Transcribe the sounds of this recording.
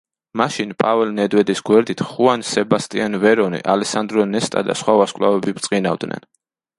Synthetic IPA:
maʃinpʼavɛlnɛd̪wɛd̪isɡwɛɾd̪it̪ʰχuansɛbast̪ʼianvɛɾɔnḭʔalɛsand̪ɾɔnɛst̪ʼa̰d̪a̰sχwavaskʼlavɛbibt̪sʼqʼina̰vd̪nɛ̰n

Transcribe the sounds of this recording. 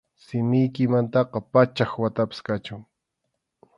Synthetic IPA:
sɪmɪjkɪmant̪ɑqɑpat͡ʃaxwat̪apɪ̥skat͡ʃʊŋ

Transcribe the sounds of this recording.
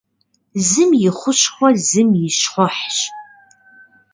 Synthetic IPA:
zɨmjɪχʷʊɕχʷɔzɨmjɪɕχʷɔħɕ

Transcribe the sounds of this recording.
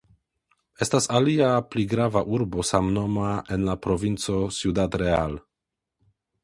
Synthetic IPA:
e̞stasaliapliɡɾavaʔuɾbo̞samno̞maenlapɾo̞vint͡so̞sjudatɾeal

